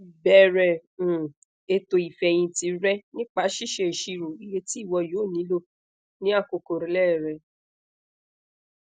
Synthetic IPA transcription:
bɛ˦ɾɛ̃˧˨ | e˧to˧i˨fɛ˧j̃ĩ˧ti˨˧˦ɾɛ˦nĩ˦k͡pa˦ʃi˦˨ʃe˧i˨ʃi˧ɾo˨i˦je˧ti˦˨wɔ˧joː˨˦˨nĩ˨˦lo˦ | nĩ˦a˦˨ko˧ko˨ɾĩ˨˦lɛ˦˨ɾɛ˧˨

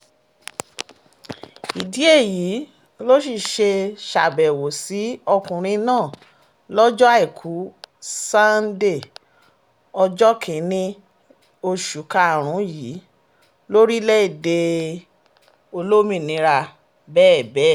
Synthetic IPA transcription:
i˨di˨˦e˦˨ji˨˦ | lo˦ʃ̬i˧˨ʃe˧ʃa˨bɛ˨wo˨si˨˦ɔ˧kũ˨ɾ̃ĩ˧nãː˦˨ | lɔ˦d͡ʒɔ˦a˦i˦˨kʰu˨˦sa˦nde˦˨ | ɔ˧d͡ʒɔ˦kʰĩ˨nĩ˧ | o˧ʃu˨˦ka˧˨ɾ̃ũ˨˦ji˨˦ | lo˦ɾi˦lɛ˦i˦˨de˧ | o˧lo˦mĩ˦˧˨nĩ˧˦ɾa˧ | bɛː˦˨bɛ˦˨

